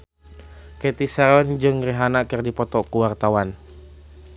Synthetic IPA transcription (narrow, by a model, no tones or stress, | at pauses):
kɛt̪isɛɾɔnd͡ʒɨŋriɦanakɨrdipɔt̪ɔkuwart̪awan